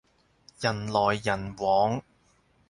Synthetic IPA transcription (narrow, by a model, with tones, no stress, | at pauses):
jɐ˨˩nlɔː˨˩jːɐ˨˩nwɔː˨˥ŋ